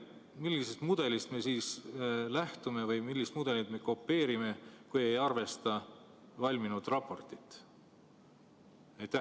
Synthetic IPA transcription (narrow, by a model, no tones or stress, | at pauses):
milʲːisest̪mud̪̥e̞list̪me̞siːslæht̪ume̞vɤjmilːist̪mud̪e̞lid̪me̞ko̞pːe̞ːɾime̞kuje̞jɑrve̞st̪ɑ | vɑlʲminud̪̥rɑpːˑo̞rt̪ˑi̥t̪ːˑ | ɑjt̪ːˑæ